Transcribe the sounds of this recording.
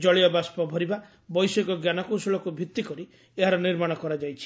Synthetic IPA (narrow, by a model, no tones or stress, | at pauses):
d͡ʒɔɭijɔbaspɔbʱɔɾiba | bɔjsɔɡɔɡjanakowsuɭɔkubʱit̪ːikɔɾi | eɦaɾɔniɾmaɽ̃ɔkɔɾad͡ʒajt͡ʃʰi̥